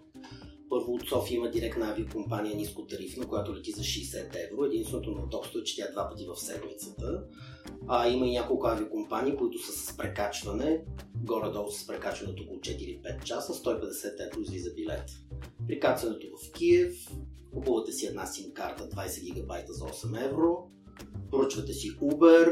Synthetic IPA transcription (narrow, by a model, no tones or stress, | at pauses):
pɤɾvʊːt̪sɔfiməd̪iɾɛkt̪nəaviokompaniɛniskʊt̪ɐɾifnokojat̪olɛt̪izɐʃɛːsɛt̪ɛvɾoɛd̪inst̪vɛnot̪onɐt̪ɔkst̪oɛt͡ʃɛ̥t̪ʲaɛd̪vapət̪ivɐfsɛd̪mit̪sə̥t̪ə | ɐiməinʲakolˠkʊaviokompanʲiːkoit̪ʊsəsə̥spɾɛkat͡ʃvɐnɛɡɔɾɛd̪ɔlˠsə̥spɾɛkat͡ʃvɐnɛt̪okolˠʊt͡ʃɛt̪iɾipɛt̪̚t͡ʃasəst̪ɔipɛd̪ɛsɛt̪ɛvɾoizvizɐbilɛ̰t̪ | pɾikat̪vɐnɛt̪ovɐfk̟iɛfkupovət̪ɛsiɛd̪nasimkaɾt̪əd̪vajsɛɡʲiɡɐbajt̪əzɐɔsɛmɛvɾo | pɾoət͡ʃvɐt̪ɛsiubɛɾ